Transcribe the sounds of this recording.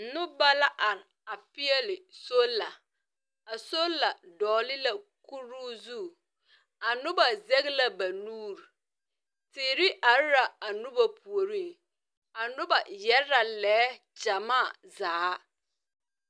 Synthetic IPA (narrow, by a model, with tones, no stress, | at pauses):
n̩˨˦nʊ˦ba˦la˦ʔa˨ɾ | a˨pɪ˦ɛ˦lɪ˨so˦la˨ | a˨so˦la˨dɔː˨lɪ˦la˨ku˦ɾu˦zu˦˨ | a˨nʊ˦ba˨zɛ˦ɣla˦ba˨nuː˦ɾ | tɪː˨ɾi˦ʔa˨ɾɾa˨a˨nʊ˦ba˦pu˨o˨ɾi˦˨ | a˨nʊ˦ba˨jɛ˦ɾa˨lɛː˨˦ | d͡ʒa˨maː˦˨ | zaː˨˦